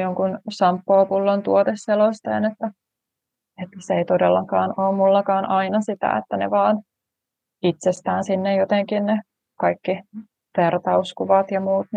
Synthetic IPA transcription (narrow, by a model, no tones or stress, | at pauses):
joŋkunsɑmpːoːpulːont̪uot̪esːelost̪ḛːnet̪ːæ | et̪ːseit̪odelːɑkɑːnoːmmulːɑkɑːnʔɑinɑsit̪æ̰ḛt̪ːænḛʋɑːn | it̪sest̪æːnsinːejjot̪eŋkinne | kɑikːi | ʋert̪ɑuskuʋɑt̪jɑmuːt̪n